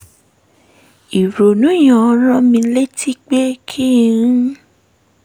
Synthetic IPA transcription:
i˨ɾo˨nũ˨˦j̃ã˨˧ɔ˧ɾ̃ã˦mĩ˧le˦ti˦k͡pe˦kʰĩ˦˨˦

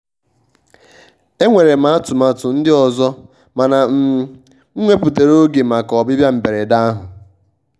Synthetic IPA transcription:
e˦ŋʷe˨ɾe˨m̩˦a˦a˦tʊ˨ma˨tʊ˨n̩˦dɪ˦ɔ˨zɔ˦ | ma˨na˨m̩˨ | ŋ̩˦ŋʷe˦pu˨te˨ɾo˦ɡe˨m̩a˨kɔ˨bɪ˦bja˦m̩˨be˨ɾe˨da˦a˦ɦʊ˨

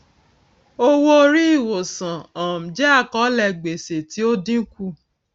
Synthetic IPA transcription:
o˦wo˦o˧ɾi˦i˦˨wo˨sã˨ɔ˨m̩̃˨d͡ʒɛ˦a˦˨kɔ˨˦lɛ˧ɡ͡be˨se˨ti˦o˦dĩ˦ku˦

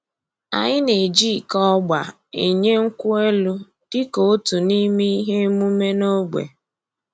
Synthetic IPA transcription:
a̰˨ɲɪ˦ne˨d͡ʒi˦˨kɔ˦ɡ͡ba˨ | e˨ɲe˦ŋ̩˦kʷʊ˦e˦lu˦ | d̥ɪ˦ko˨o˦tu˨ni˦mi˦ɦe˦mu˦me˦no˦ɡ͡bʷḛ˨

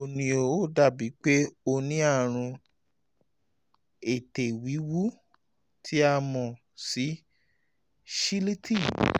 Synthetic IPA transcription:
o˨nĩ˨o˨o˦˨da˦˨bi˨˦k͡pe˦o˧nĩ˦a˦˨ɾ̃ũ˧ | e˨te˨wi˨˦wu˦ | tʰi˦a˧mɔ̃˨ | si˨˦ | ʃi˦li˦tʰi˦˨

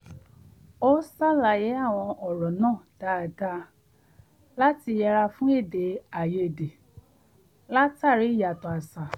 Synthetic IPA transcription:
o˦sa˦la˨je˨˦a˦˨w̃ɔ̃˧ʔɔ˨ɾɔ˨nãː˦˨d̥a˦˨ɡa˧ | la˦ti˧jɛ˧ɾa˧fũ˦e˦˨de˨˦a˨je˧˨de˨ | la˦ta˦˨ɾi˨˦i˦˨ja˨tɔ̃˨a˨sa˨

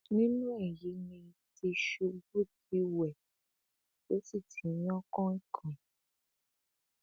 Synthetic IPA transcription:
nĩ˦nũ˦ɛ˦˨ji˨˦nĩ˧ti˧ʃu˧˦bu˦˨ti˨˦wɛ˨ | o˨˦si˦˨ti˨˦ɲ˦ɔ̃˦kɔ̃˦i˦kʰã˨

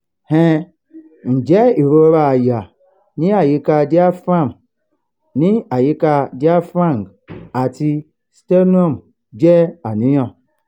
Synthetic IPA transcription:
hɛ˦ | n̩˨d͡ʒe˦i˨ɾo˦ɾa˨ja˨ | ni˦a˨ji˦ka˦di˦a˦fɾa˦˨m | ni˦a˨ji˦ka˦di˦a˦fɾa˦˨ŋ˨ɡ | a˨ti˦ | ste˦n˦o˦˨m | d͡ʒe˦a˨ni˦jɔ̃˦˨

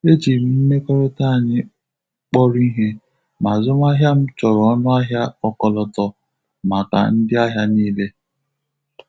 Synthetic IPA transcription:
e˦t͡ʃi˨˦m̩˦me˦kɔ˦ɾɔ˦ta˦˨ɲɪ˦ | k͡pɔ˦ɾi˦ɦe˦ | ma˨zʊ˦m˦a˦ɦja˦m̩˦t͡ʃɔ˨ɾɔ˦nʊ˦a˦ɦja˦ɔ˦kɔ˨lɔ˨tɔ˨ | ma˨ka̰˨n̩˦dɪ˦a˦ɦja˦niː˦le˦

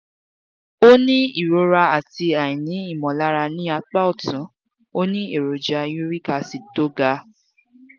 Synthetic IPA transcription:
o˦nĩ˦i˨ɾo˧˦ɾa˧a˨ti˧a˨ĩ˨nĩ˨˦i˦˨mɔ̃˨la˦ɾa˧nĩ˦a˧k͡pa˦ɔ˦˨tũ˨˦ | o˦nĩ˦e˨ɾo˨d͡ʒa˧jũ˦ɾi˦ka˧si˨to˦ɡa˧

